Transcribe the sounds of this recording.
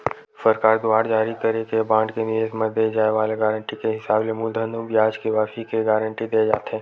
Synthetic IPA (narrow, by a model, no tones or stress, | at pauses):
səɾkaːɾd̪ʊaːɾd͡ʒaːɾikɐɾekebãːɳɖkenɪjeːzmɐd̪ed͡ʒaːeʋaːleɡɛːɾəɳʈikeɦɪsaːblemuːld̪ʱənũbjaːd͡ʒkiʋaːfikeɡɛːɾə̃ɳʈid̪eːd͡ʒa̰ːt̪ɦɛ̃ː